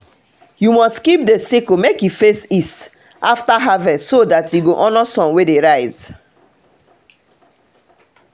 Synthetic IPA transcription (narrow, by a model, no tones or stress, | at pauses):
jumɔstkip̚desikomekjufesist | ʔaftaɦavɛsodatjuɡoʔɔ̃nasɔ̃nwedeɹaɪz̥